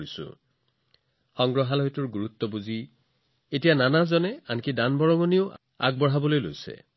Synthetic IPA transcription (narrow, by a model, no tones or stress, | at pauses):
isʊ̰̃ | xɔŋɡɹɔɦalɦɔjtʊɹɡuɹut̪ːɔbuzi | etijananazɔnɛankidanbɔɹɔŋɔnioʔ | a̰ɡ̚bɔɹɦabɔlojlo̰jsɛ̰